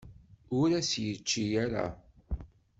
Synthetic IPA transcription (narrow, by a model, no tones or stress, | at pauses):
ʊɾæsjət͡ʃːijaɾa̰